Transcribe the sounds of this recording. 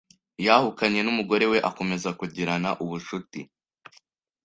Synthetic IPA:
jahukaɲe̞numuɡo̞ɾe̞we̞ʔako̞me̞zakuɟiɾanaʔuβuʃuti

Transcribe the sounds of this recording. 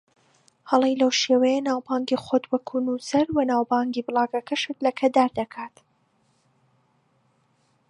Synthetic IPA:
hɐlˠejlɐwʃeːwɐjɛnaːwbaːŋɡixod̪wɐkʰunusɐɾwɐnaːwbɑːŋɡiːbɨlˠɑːɡɐkʰɐʃɨt̪lɐkʰɐd̪aːɾd̪ɐkʰaːt̪

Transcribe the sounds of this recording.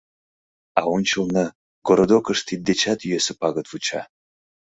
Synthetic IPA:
awunt͡ʃʰɨlˠnə | ɡoɾod̪okʰəʂt̪ʰit̪̚d̪et͡ʃʰat̪ʰyesɨpʰaɡɐt̪vut͡ʃʰa̰

